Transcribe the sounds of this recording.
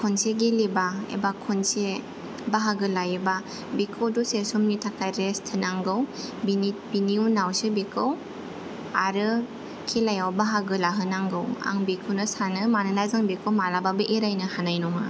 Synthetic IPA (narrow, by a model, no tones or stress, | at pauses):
kʰɔnseɡelibaḛbakʰɔnse | baɦaɡɯlajɯba | bikʰɯwdusesumnitʰakʰajɾestʰɯnaŋɡɯwbinib̥iniunawsɯbekʰɯw | aɾɯ | kʰilajawbaɦaɡɯlaɦɯnaŋɡɯwa̰ŋbikʰɯwnɯsanɯmanɯnazɯŋbikʰɯwmalababɯʔeɾajnɯhanajnɔŋa